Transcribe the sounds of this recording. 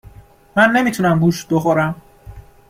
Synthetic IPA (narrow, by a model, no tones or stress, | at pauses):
mænːe̞miːt̪ʰuːnæmɡuːʃbe̞xoɾæm